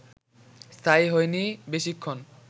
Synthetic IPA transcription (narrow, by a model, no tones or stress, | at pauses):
st̪ʰajɦojnibeʃikʰːon